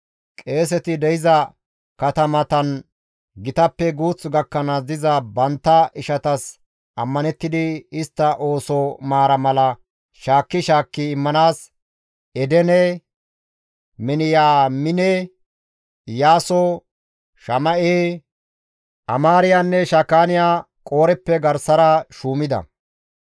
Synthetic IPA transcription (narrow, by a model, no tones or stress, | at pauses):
kʼe̞ːs̬ɛt̪ɪd̪ɛjɪzɐ | kɐt̪ɐmɐt̪ɐn | ɡɪt̪ɐpːɛɡuːt͡sːɡɐkːɐnɐd̪ɪzɐbɐnt̪ːɐʔɪʃɐt̪ɐs | ʔɐmːɐnɛt̪ːɪd̪ɪɪst̪ːɐʔo̞ːsɔmaːɾɐmɐlɐ | ʃaːkːɪʃaːkːɪɪmːɐnaːs | ɛd̪ɛnɛ | mɪnɪjaːmɪnɛ | jaːsɔ | ʃɐmɐʔeː | ʔɐmaːɾɪjanːɛʃɐkːaːnɪjaː | kʼo̞ːɾɛpːɛɡɐɾsɐɾɐʃuːmɪd̪ɐ̰